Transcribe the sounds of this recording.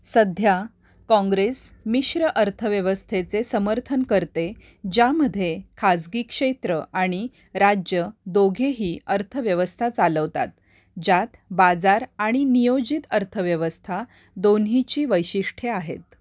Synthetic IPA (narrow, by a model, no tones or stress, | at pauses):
səd̪ʱja | kɔ̃ŋɡɾesmiɕɾəʔəɾt̪ʰəʋjəʋəst̪ʰet͡sesəməɾt̪ʰənkəɾt̪e | d͡ʑjaməd̪ʱːjekʰad͡zɡiːkʂet̪ɾəʔaɽ̃i | ɾad͡ʑjəd̪oɡʱeɦiːəɾt̪ʰəʋjəʋəst̪ʰat͡saləʋt̪a̰t̪̚ | d͡ʑat̪ʰbad͡zaɾaɽ̃inijod͡ʑit̪əɾt̪ʰəʋjəʋəst̪ʰa | d̪onɦit͡ɕiːʋəjɕiʂʈʰeaɦḛt̪̚